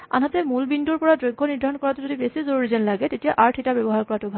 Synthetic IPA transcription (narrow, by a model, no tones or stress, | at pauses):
a̰nɦatɛmulbinduɹpɔɹadɹoɡʱːɔniɹd̪ʱaɹɔnkɔɹatʊzodibesizoɹuɹizɛnlaɡɛtetijaʔaɹtʰetabɛbɔɦaɹkɔɹatʊbʱa